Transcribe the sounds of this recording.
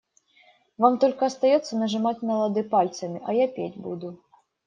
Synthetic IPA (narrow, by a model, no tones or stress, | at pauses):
vamt̪ɔlʲkɐɐst̪ajɔt̪sːɐnɐʐɨmat͡sʲmɐlˠɐd̪ɨpalʲt̪sɐmʲiʔɐjapʲedʲbud̪u